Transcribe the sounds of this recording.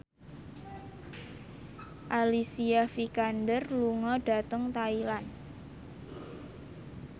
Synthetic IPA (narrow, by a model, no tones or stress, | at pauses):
ʔalisiafikandərluŋɔɖ̥a̤t̪əŋt̪ailan